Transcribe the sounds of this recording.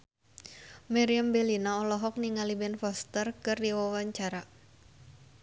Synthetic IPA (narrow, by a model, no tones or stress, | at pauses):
maɾiambɛlinaɔlɔɦɔk̚niŋalibɛnfɔst̪ərkɨrdiwawaɲt͡ʃaɾa